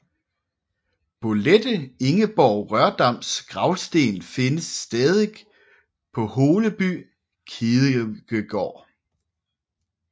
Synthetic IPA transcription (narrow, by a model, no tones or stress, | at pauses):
b̥o̝led̥əe̝ŋəb̥ɒʊʁɶɐd̥ɑ̈m̰sɡ̥ʁɑ̈ʊsd̥e̝̰ːnfe̝nəsːd̥ɛːðˠi̥ | pʰɒ̽ho̝ːləb̥y̰ː | kʰiðˠɡ̥əɡ̥ɒ̰ː